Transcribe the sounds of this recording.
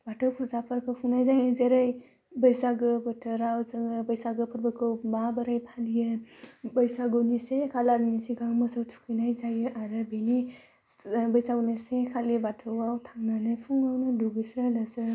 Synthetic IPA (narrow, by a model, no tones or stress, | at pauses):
batʰəwpʰuzapʰəɾpʰɯpʰuŋnajzajnazeɾaj | bəjsaɡɯbɯtʰəɾawzɯɡɯbɐjsaɡɯpʰɯɾbɯkʰɯwbabɐɾajpʰalijɯbəjsaɡuwnisekʰalaɾinisiɡaŋmɐsawtʰu̥kʰinajzajɯʔaɾɯbeni | bɐjsaɡonisekʰalibatʰɯwawtʰaŋnanɯjpʰuŋawnɯduɡisɾalɐsɯ